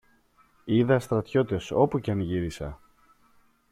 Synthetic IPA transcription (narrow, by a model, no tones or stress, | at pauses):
iðɐst̪ɾɐt̪ço̞t̪e̞so̞pucɐnʝiɾisɐ̰